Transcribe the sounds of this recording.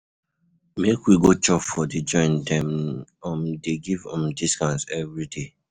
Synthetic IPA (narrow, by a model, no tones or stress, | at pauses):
mekwiɡot͡ʃɔffɔdid͡ʒɔ̃ɪ̃ndɛ̃mɔ̃mdeɡivɔ̃mdiskãnsɛvɾide